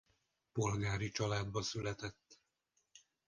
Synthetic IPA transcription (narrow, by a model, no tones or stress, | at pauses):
po̞lɡaːɾit͡ʃɒlaːd̪bɒsylɛt̪ɛt̪ː